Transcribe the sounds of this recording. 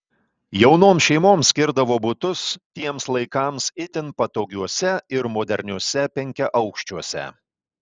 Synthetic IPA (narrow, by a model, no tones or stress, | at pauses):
jɛʊnoːmʃʲɛɪmoːmsʲkʲɪɾd̪ɐʋoːbʊt̪ʊst̪ʲiɛmslˠɐɪkɑˑmsɪt̪ʲɪnpɐt̪oːɡʲuɔsʲɛɪɾmoːd̪ʲɛɾʲnʲuɔsʲɛpʲɛŋʲkʲɛʔɐʊkʃʲt͡ʃʲuɔsʲɛ̰